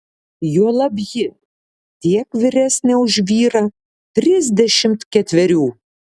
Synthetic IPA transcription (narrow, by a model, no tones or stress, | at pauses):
juɔlˠɐbʲjɪ | t̪ʲiɛkʋʲɪɾʲæsʲnʲɛʊʒʲʋʲiːɾɐ | t̪ʲɾʲɪzʲd̪ʲɛʃʲɪmt̪kʲɛt̪ʲʋʲɛɾʲuː